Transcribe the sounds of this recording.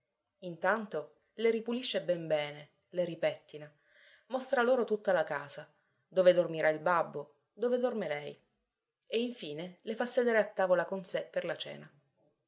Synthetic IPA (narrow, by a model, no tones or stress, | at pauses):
int̪ant̪o | leɾipuliʃːebɛmbɛːne | leɾipɛt̪ːina | most̪ɾaloːɾot̪ut̪ːalakaːza | d̪oːved̪ormiɾʔailbabːo | d̪oːved̪ormelɛj | eiɱfiːnelefasːed̪eːɾeat̪ːaːvolakonsepːerlat͡ʃɛ̰ːna